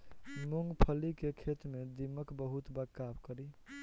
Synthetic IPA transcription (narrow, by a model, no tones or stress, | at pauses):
muŋɡpʰəlikekʰet̪med̪iməkbəɦut̪bəkːabkəɾi